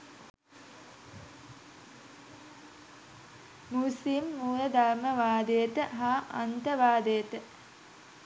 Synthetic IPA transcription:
musimːuːɾəd̪aɾməʋaːd̪et̪əɦaːʔa̰nt̪əʋaːd̪et̪ə

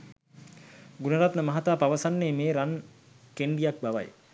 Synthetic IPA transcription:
ɡunəɾat̪nəmɐɦat̪aːpaʋɐsanːeːmeːɾan | keɳɖijak̚baʋa̰j

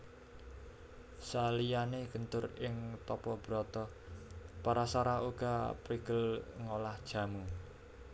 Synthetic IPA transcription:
salijaneɡ̥ənt̪ʊrɪŋt̪ɔpɔb̥əɾɔt̪ɔ | paɾasaɾauɡ̥apɾiɡ̥əlŋolahd̥ʒ̥a̤mu

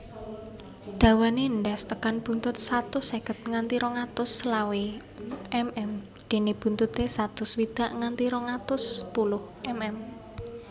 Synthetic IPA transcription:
d̪̥a̤waneəɳɖɛst̪əkanb̥ṳnt̪ʊt̪̚sat̪ʊsekət̪̚ŋant̪iɾɔŋat̪ʊslawe | ʔɛmɛm | d̪̥e̤nib̥ṳnt̪ut̪esat̪ʊswid̪̥a̤ʔŋant̪iɾɔŋat̪ʊspulʊhʔɛmɛm

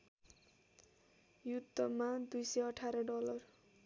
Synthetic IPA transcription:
jud̪ʱːʌmad̪ujsʌjʌʈʰaɾʌɖʌlʌr

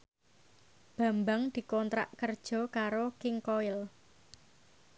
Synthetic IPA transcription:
b̥a̤mbaŋd̪̥i̤kɔnt̪ɾa̰ʔkərd̥ʒ̥ɔ̤kaɾokɪŋkoɪl

